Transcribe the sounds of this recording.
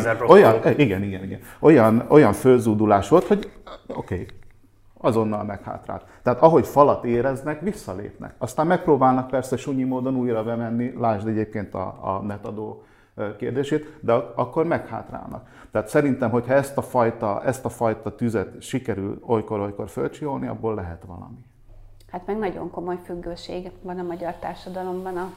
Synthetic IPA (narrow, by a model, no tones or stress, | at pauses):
ojɒniɡɛniɡɛniɡɛ̰n | o̞jɒno̞jɒɱfølzuːd̪ulaːʃʋo̞lt̪ho̞ɟo̞̰keː | ɒzo̞nːɒlmɛkha̰ːt̪ra̰lt̪ːɛɦaːt̪ɒɦo̞cfɒlɒt̪eːɾɛznɛkʋisːɒlḛːpnɛ̰kɒst̪aːmmɛk̚proːbaːlnɒk̚pɛrsɛʃuɲimoːd̪o̞nuːjrɒbɛmɛnːilaːʒd̪ɛɟeːp̚keːnt̪ɒ̰ːnɛt̪ɒd̪oː | kḛːrd̪eːʃeːt̪d̪ɛɒkːo̞rmɛkha̰ːt̪ra̰ːlnɒ̰k | t̪ɛaːt̪sɛɾint̪ɛmɦo̞chɒɛst̪ɒfɒjt̪ɒɛst̪ɒfɒjt̪ɒt̪yzɛt̪ʃikɛɾylo̞jko̞ɾo̞jko̞rfø̰lt͡ʃio̞lniɒ̰bːoːlːɛɦɛt̪ʋɒ̰lɒ̰mi | hat̪mɛɡnɒɟo̞̰ŋko̞mo̞jfyɡːøːʃḛːɡvɒnɒmɒɟɒrt̪aːrʃɒd̪ɒlo̞mbɒnɒ